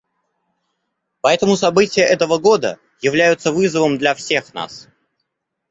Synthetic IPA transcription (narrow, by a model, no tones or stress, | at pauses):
pɐɛt̪əmʊsɐbɨtʲɪjəʔɛt̪əvəɡo̞d̪ə̰ | jɪvlʲæjʊt̪səvɨzəvəmd̪lʲɐfsʲe̞xna̰s